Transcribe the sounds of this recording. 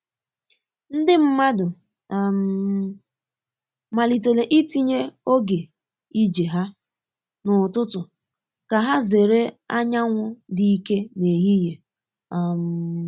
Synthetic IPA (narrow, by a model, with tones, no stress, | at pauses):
n̩˦dɪ˦m̩˦ma˦dʊ˨ | m˦ | ma˨li˨te˨le˨ʔi˦ti˦ɲe˦o˦ɡe˨ | i˦d͡ʒe˨ɦa˦ | nʊ˨tʊ˦tʊ˨ | ka˨ɦa˦ze˨ɾe˦a̰˦ɲa˦ŋʷʊ˦di˨i˦ke˦ne˨ɦi˦je˨ | a˨m̩˨